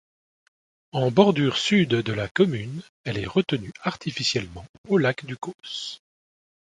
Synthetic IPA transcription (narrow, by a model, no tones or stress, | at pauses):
ɑ̃bɔʁd̪yʁsyd̪d̪əlakɔmyn | ɛlɛʁət̪ənyaʁt̪ʰifisjɛlmɑ̃olakd̪ykos